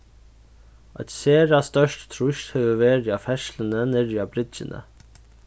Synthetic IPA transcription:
ʔɑ̰t̪seːɾɑst̪œʃʈt̪ʰɾʊçt̪hœʋəʋeːɾjɑfɛʃlənənɛɾjɑbɾɪd͡ʒənə̰

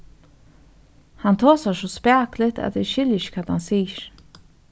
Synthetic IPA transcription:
hant̪ʰoːsaʂɔspæːklɪt̪a̰t̪ɛʃɪljɪʃkʰaːt̪hansiːɾ

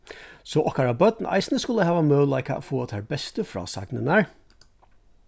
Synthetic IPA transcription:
sɔʔɔkaɹabœd̪n̩ʔa̰ɪsnəskʊləhɛːvamœːlːaɪka̰ːfuːat̪ʰɛɹbɛst̪əfɹɔ̰ːsa̰ɡnənaɹ

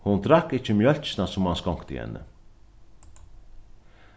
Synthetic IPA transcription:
hʊnt̪ɾakɪcəmjœl̥t͡ʃnasʊmhanskɔŋ̥kt̪ɪ̰hɛ̰nːə̰

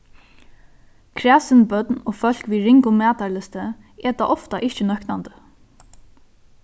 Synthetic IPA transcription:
kʰɾæːsɪnbœt̪noːfœl̥kʋiːɾɪŋkʊmæːt̪alɪst̪ə | ɛt̪aːʔɔft̪aʔɪht͡ʃənœknand̪ə

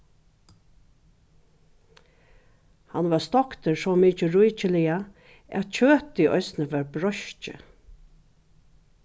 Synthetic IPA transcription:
hanʋaɹst̪ɔkt̪əɹsɔmiːt͡ʃəɹujt͡ʃɪlɪja | æ̰t̪t͡ʃʰøːt̪iʔɔ̰ʏsnəʋaɹbɾɔʃt͡ʃɪ̰

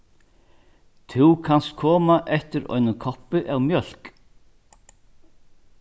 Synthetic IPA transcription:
t̪ʰuwkʰanst̪kʰɔːmaʔɛht̪ɪɾɔ̰ɥnɪkʰɔhpɪʔɛwmjœl̥k

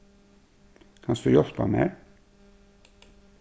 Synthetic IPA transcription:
kʰɑnsd̪ʉːjɔsp̪ʰɑ̰mḛːɾ

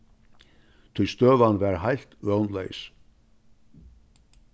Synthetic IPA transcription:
t̪ʰujst̪œːvanvɛɾhajl̥t̪vœwnlḛjs

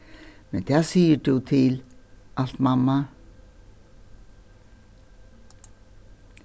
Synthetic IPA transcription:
mɛnt̪ʰasiːət̪ut̪ʰɪlʔal̥t̪mamːa

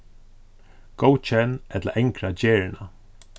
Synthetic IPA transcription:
ɡ̥owt͡ʃɛnɛt̪la̰ʔɛŋkɾad͡ʒeːɹɪna

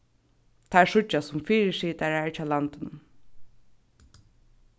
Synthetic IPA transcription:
t̪ʰaːɛɹʂʊt͡ʃːasʊmfiːɹɪʃiːt̪aɹaɛɹt͡ʃʰaːlant̪ɪnʊm

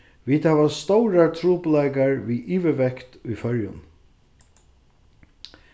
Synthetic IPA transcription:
ʋiːt̪hɛʋast̪ɔwɾat̪ʰɾuːplajkaɹʋiːiːʋɪʋɛkt̪ʊjfœɾjʊ̰n

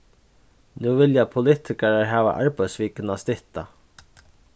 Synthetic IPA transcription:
nuːvɪljapʰʊlɪht̪ʰɪkaɹaɹɦæːʋa̰ʔaɹpajsʋiːkɪnast̪ɪht̪a

